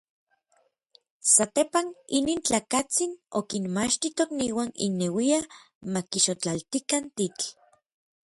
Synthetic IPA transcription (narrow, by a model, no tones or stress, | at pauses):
sat̪epaniniːnt͡ɬaːkat͡sinokinmat͡ʃt̪it̪okniːwanḭnːewia | makiʃot͡ɬalt̪ikant̪it͡ɬ